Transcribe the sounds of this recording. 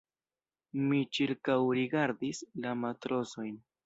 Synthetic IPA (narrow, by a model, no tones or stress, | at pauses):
mit͡ʃiɾkawɾiɡaɾd̪islamat̪ɾoso̞jn